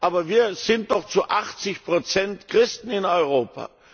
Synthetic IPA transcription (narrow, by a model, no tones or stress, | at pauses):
ʔaːbɐviːɐz̥ɪnt̚d̥ɔχt͡suʔaχt͡sɪçpʁ̥ot͡sɛntkʁ̥ɪstn̩ɪnɔʏʁoːpʰa̰